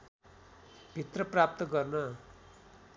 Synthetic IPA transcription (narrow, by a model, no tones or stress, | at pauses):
b̥ʱit̪rʌprap̚t̪ʌɡʌrnʌ